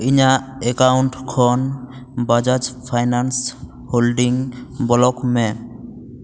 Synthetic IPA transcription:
iɲaɛkawɳʈkʰɔn | bad͡ʒad͡ʒpʰajnans | holɖiŋbɔlɔkmɛ

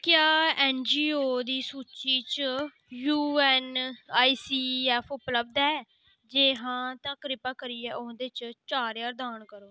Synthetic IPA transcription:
kjaːɛːnd͡ʒiːoːd̪iːsuːt͡ʃiːt͡ʃ | juːɛːnaːiːsiːɛːpʰʊpləb̚d̪ɛː | d͡ʒeːɦãːt̪ãːkəɾɪpaːkəɾiːɛːʔʊ̃d̪eːt͡ʃt͡ʃaːɾjaːɾd̪aːnkəɾoː

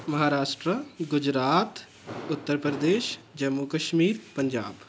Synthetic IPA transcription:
mɐɦaːɾaːʃʈɾəɡʊd͡ʒɾaːt̪ | ʊt̪ːəɾpɾəd̪eːʃd͡ʒɐmːukɐʃmiːɾpəɲd͡ʒa̰ːb

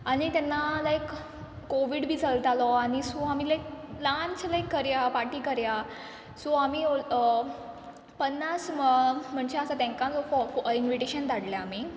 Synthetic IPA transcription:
aɽit̪ɛnːalajkː | oʋiɽbʱiːt͡səlt̪alɔaɽ̃isɔamiːlajk̚lant͡ɕlajkːəɾjapaʈiːkəɾja | sɔamio | pənːasm̤əɳd͡ʑeəsat̪ɛ̃ŋkãd͡zɔfɔinʋiʈeɕənt̪aɽljaami

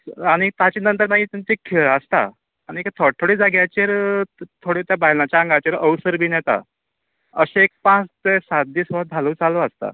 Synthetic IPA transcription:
aɽ̃it̪at͡ɕenənt̪əɾmaɡiːt̪aɲt͡ɕekʰeɭəst̪a̰ | añiekt̪ʰɔt̪ʰoɽiːd͡zaɡjat͡ɕeɾt̪ʰoɽet̪jabaɦilat͡ɕjaəŋɡat͡ɕeɾəʋsəɾbʱiːnɛt̪a̰ | əɕeek̚pãt͡st̪esat̪̚d̪iːsʋəd͡z̪ʱalũːt͡saloəst̪a̰

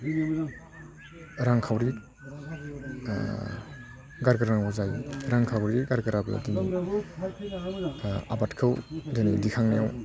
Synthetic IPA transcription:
ɾaŋkʰawɾi | ɡaɾɡaɾaŋɔzajɾaŋkʰawɾiɡaɾɡɯɾabɯ̰a̰din | abatkʰɯwdɯnidikʰaŋnijaw

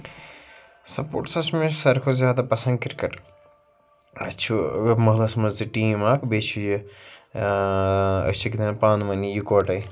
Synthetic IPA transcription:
sɐpo̰ːʈsɐsmẽsɐɾkʰozʲjaːd̪apɐsɐ̃nd̪kiɾkɐʈ | ɐst͡ʃʰuemɐɦlɐsmɐzd̪iʈiːmaːkbet͡ʃʰuji | ɐ̰st͡ʃʰikit̪ʰɐ̃npaːnmɐnijikoːʈɐ

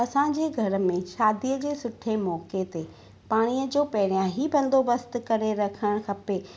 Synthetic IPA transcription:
ɐsãɲ̆d͡ʑeːɡʱɐɾə̆mẽʃaːd̪iəd͡ʑeːsʊʈʰemɔːket̪e | paːɽ̃iəd͡ʑoːpɐɦɪɾijãɦibɐ̃nd̪obɐst̪̆kɐɾeɾɐkʰəɽ̃xʰɐpeː

